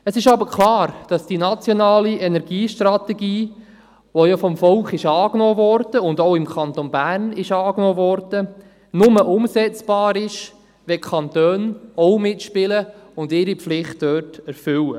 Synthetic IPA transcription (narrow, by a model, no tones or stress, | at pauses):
əsɪʃɑbəɾkʰlɑːɾd̥ɑsd̥inɑt͡sjɔnɑːliɛnɛɾɡiːʃtrɑtɛɡiː | ʋojɑfɔmfɔlχɪʃɑːknɔːvɔɾd̥əʊndoʊɪmkʰɑnt̪onbæːrnɪʃɑːknoːvɔɾd̥ə | nʊməʔʊmsɛt͡sb̥ɑːɾɪʃ | ʋɛkʰɑnt̪øːnɔʊmɪtʃpɪləʊndɪɾipflɪχtd̥øːtɛɾfʏwə